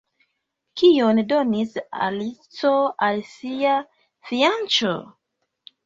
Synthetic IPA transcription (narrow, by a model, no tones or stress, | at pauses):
kiondo̞nisa̰lit͡so̞alsia | fiant͡ʃo̰